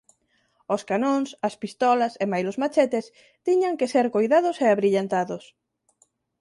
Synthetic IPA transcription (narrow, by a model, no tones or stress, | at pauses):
oskanõŋsɐspist̪ɔlɐsemajlozmat͡ʃet̪es | t̪iɲaŋkeseɾkojðaðʊseaβɾiʎant̪aðos